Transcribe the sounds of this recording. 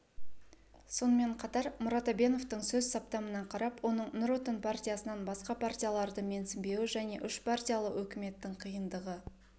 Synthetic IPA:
so̞nəme̞ɴqʰɑt̪ɑɾmʊɾɑt̪obe̞no̞ft̪əɴsɵzsɑp̚t̪ɑmənɑɴqʰɑɾɑpwo̞nəɴnʊɾot̪onpʰartʲijasənɑnbɑsqɑpʰartʲijalˠɑɾd̪əme̞nsɪmbe̞wɪʒæne̞ʔʏʃpʰartʲijalˠəwɵkʲɪme̞t̪ːɪɴqʰijənd̪əʁə

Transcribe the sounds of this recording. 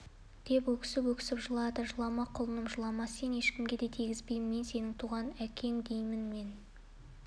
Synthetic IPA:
d̪̥e̞pwɵkʲɪ̥sɪpwɵkʲɪ̥sɪpʒəlˠɑd̪əʒəlˠɑmɑqʰʊlˠənəmʒəlˠɑmɑse̞ne̞ʃkʲɪmɡʲe̞d̪e̞t̪ʰiɡʲɪzbe̞jmmːense̞nɪŋt̪ʰuʁɑnækʲʰe̞ŋd̪ejmɪnme̞n

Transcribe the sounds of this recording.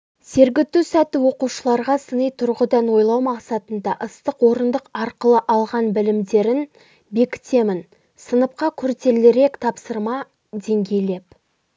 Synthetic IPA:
se̞ɾɡʲɪt̪ːusæt̪ɪwo̞quʃəlˠɑɾʁɑsənəjt̪ʰʊɾʁəd̪ɑnwo̞jlˠɑwmɑqsɑt̪ənd̪ɑʔəst̪əqwo̞ɾənd̪əqɑɾqəlˠəʔɑlˠʁɑnbɪlɪmd̪e̞ɾɪn | be̞kʲɪ̥t̪e̞mɪn | sənəp̚qɑkʲʰʏɾt̪e̞lɪɾe̞kt̪ʰɑpsəɾmɑ | d̪e̞ŋɡʲe̞jle̞p̚

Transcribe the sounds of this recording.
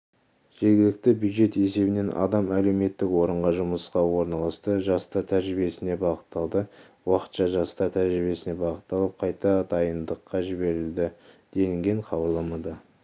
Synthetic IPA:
ʒ̥e̞ɾɡʲɪlɪk̚t̪ɪbjud̪ʒe̞t̪e̞se̞bɪne̞nʔɑ̰d̪ɑmæle̞wme̞t̪ːɪkwo̞ɾəɴʁɑʒʊməsqɑwoɾnɑlˠɑst̪əʒɑst̪ɑɾt̪ʰæɾʒɾɪbije̞sɪne̞bɑʁət̪ːɑlˠd̪ə | wɑqə̥t̪ʃɑʒɑst̪ɑɾt̪ʰæɾʒɾɪbe̞sɪne̞bɑʁət̪ːɑlˠəp̚qʰɑjt̪ɑt̪ɑjənd̪əqːɑʒɪbe̞ɾɪld̪ɪd̪̥e̞j̪ɪŋɡʲe̞ɴqʰɑbəɾlˠɑmɑd̪ə

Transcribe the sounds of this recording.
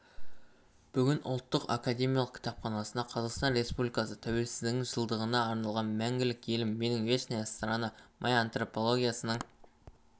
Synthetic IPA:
b̥ʏɡʲɪnʔʊ̰lˠt̪ːəqa̰kad̪ʲe̞mʲijalˠəq̚kʲʰɪ̥t̪ɑpχɑnɑsənd̪ɑqʰɑzɑqst̪ɑnɾe̞spublijkɑsət̪ʰæwe̞lsɪzd̪ɪɪŋʒəlˠd̪əʁənɑːɾnɑlˠʁɑnmæŋɡʲɪlɪkʲje̞lɪmːe̞nɪŋve̞ʃnejast̪ɾanəmʔɑjant̪ro̞po̞lˠo̞ɡʲijasənəɴ

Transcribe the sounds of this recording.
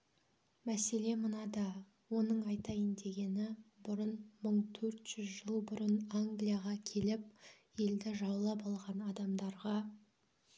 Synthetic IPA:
mæse̞le̞mənɑd̪ɑ | wo̞nəɴɑjt̪ɑjɪnd̪e̞ɡʲe̞nɪbʊɾənməɴt̪ʰɵɾt̪ʒ̥ʏzʒəlˠbʊɾənaŋɡlijaʁɑkʲʰe̞lɪp̚ | je̞ld̪ɪʒɑwlˠɑpɑlˠʁɑnɑd̪ɑmd̪ɑɾʁɑ

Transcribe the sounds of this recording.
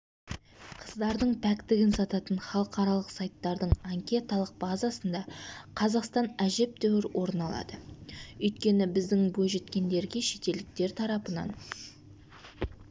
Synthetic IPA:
qʰəzd̪ɑɾd̪əɴpʰækt̪ɪɡʲɪnsɑt̪ɑt̪ənχɑlˠəqɑɾɑlˠəqsɑjt̪ːɑɾd̪əɴaŋkʲe̞t̪alˠəq̚bɑzɑsənd̪ɑqʰɑzɑqst̪ɑnæʒe̞p̚d̪æwɪɾwʔo̞ɾnɑlˠɑ̰d̪̥əɵjt̪̚kʲe̞nɪbɪzd̪ɪŋbojʒe̞t̪kʲe̞nd̪e̞ɾɡʲe̞ʃe̞t̪e̞ld̪ɪk̚t̪e̞ɾt̪ʰɑɾɑpənɑ̰n

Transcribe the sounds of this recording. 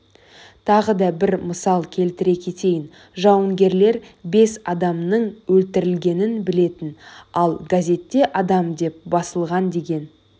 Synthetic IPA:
t̪ʰɑʁəd̪ɑbɪɾməsɑlˠkʲʰe̞lt̪ɪɾe̞kʲʰe̞t̪e̞jɪn | ʒɑwəŋɡʲe̞ɾle̞ɾbe̞sɑd̪ɑmnəɴwɵlt̪ɪɾɪlɡʲe̞nɪnbɪle̞t̪ɪnɑlˠɡazʲe̞t̪ːe̞ʔɑd̪ɑmd̪e̞p̚bɑsəlˠʁɑnd̪e̞ɡʲe̞n

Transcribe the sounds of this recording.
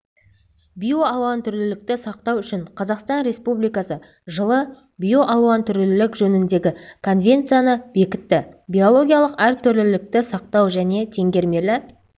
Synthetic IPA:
bʲijo̞ɑlˠuwɑnt̪ʰʏɾlɪlɪk̚t̪ɪsɑqt̪ɑwʏʃɪɴqʰɑzɑqst̪ɑnɾʲe̞spublijkɑsə | ʒəlˠə | bijo̞ʔɑlˠuɑnt̪ʰʏɾlɪɪlɪkʒɵnɪnd̪e̞ɡʲɪkʰo̞nvʲe̞nt̪sɨjanəbe̞kʲɪt̪ːɪbʲijo̞lˠo̞ɡʲijɑlˠəqæɾt̪ʰʏɾlɪlɪk̚t̪ɪsɑq̚t̪ɑwʒæne̞t̪ʰe̞ŋɡʲe̞ɾme̞lɪ

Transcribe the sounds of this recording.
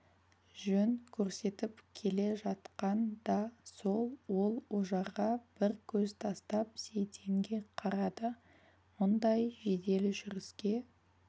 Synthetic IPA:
ʒɵŋkʲʰɵɾse̞t̪ɪpkʲʰe̞le̞ʒɑt̪qɑnd̪ɑso̞lˠwo̞lˠwoʒɑɾʁɑb̥ɪɾkʲʰɵzt̪ʰɑst̪ɑp̚se̞jt̪ʰe̞ŋɡʲe̞qʰɑɾɑd̪ə | mʊnd̪ɑjʒe̞d̪e̞lɪʒʏɾɪskʲe̞

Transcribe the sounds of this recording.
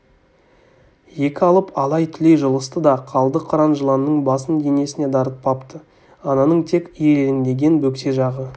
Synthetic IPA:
je̞kʲɪɑlˠəpɑlˠɑjt̪ʰʏle̞jʒəlˠəst̪əd̪ɑqʰɑlˠd̪əqʰɑɾɑnʒəlˠɑnːəɴbɑsənd̪ene̞sɪne̞d̪ɑɾət̪̚pʰɑpt̪ə | ɑnɑnəɴt̪ʰe̞kʲijelelɪŋd̪e̞ɡʲe̞nbɵkse̞ʒɑʁə

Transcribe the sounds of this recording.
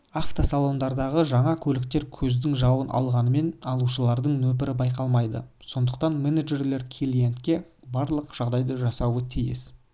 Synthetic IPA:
aft̪osalˠo̞nd̪ɑɾd̪ɑʁəʒɑɴɑkʲʰɵlɪk̚t̪e̞ɾkʲʰɵzd̪ɪŋʒɑwənʔɑ̰lˠʁɑnəme̞nɑlˠuʃəlˠɑɾd̪əɴnɵp̬ɪɾɪbɑjqɑlˠmɑjd̪ə̰so̞nd̪əq̚t̪ɑnmeneʒe̞ɾle̞ɾkʲʰelijent̪kʲe̞ | bɑɾlˠəqʒ̥ɑʁd̪ɑjd̪əʒɑsɑwət̪ʰijɪ̰s

